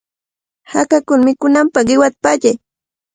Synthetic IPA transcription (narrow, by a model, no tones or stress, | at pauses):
hakakʊlmɪkʊnampaɢɪwat̪ḁpaʎaj